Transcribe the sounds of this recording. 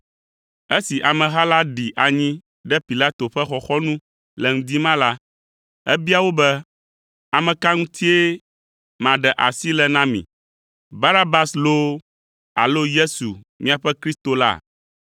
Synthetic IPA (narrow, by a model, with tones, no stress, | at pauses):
e˦si˨ʔa˨mɛ̃˨ɦa˦la˦ɖi˨ʔa˨ɲĩ˦ | ɖɛ˦pi˨la˦t̪o˨ɸɛ˦xɔ˦xɔ˦nũ˦ | lɛ˨ŋ̩̃˦d̪i˦mã˦la˦ | ɛ˦bi˦a˨wo˦bɛ˦ | a˨mɛ̃˨ka˦ŋũ˦t̪ʰi˦e˦ | mã˨ɖɛ˨ʔa̰˨si˦lɛ˨nã˦mḭ̃˨ | ba˦ɾa˦ba˦slo˦ | a̰˨lo˦je˦su˨ | mĩ˦a˨ɸɛ˦kɾi˦st̪o˨la̰˦˨